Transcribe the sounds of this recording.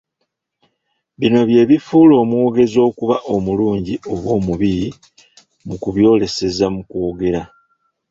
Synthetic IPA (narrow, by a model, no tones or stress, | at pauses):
βino̞βje̞ːβifuːlo̞ːmwo̞ːɡe̞zo̞ːkuβaʔo̞muluːɲɟio̞βwo̞ːmuβiɾi | mukuβjo̞ːle̞se̞zamukwo̞ːɡe̞ɾa